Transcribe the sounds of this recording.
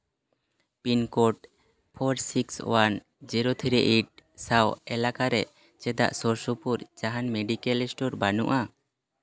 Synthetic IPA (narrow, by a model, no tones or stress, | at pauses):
pinkɔʈ̚ | pʰɔɾsikswan | d͡ʒiɾot̪ʰiɾɛʔiʈ̚sawɛlakaɾɛʔ | t͡ʃɛd̪a̰ʔsɔɾsupuɾd͡ʒaɦanmeɖikɛlɛsʈɔɾbanṵʔa